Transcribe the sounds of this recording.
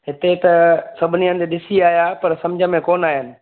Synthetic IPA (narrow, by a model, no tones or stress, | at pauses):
ɦɪt̪et̪ɐsɐbʱɪniə̃nɪ̆t̪eɗɪsiaːjapɐɾsɐ̃md͡ʑʱəmẽkoːnaːɦɪnɪ̆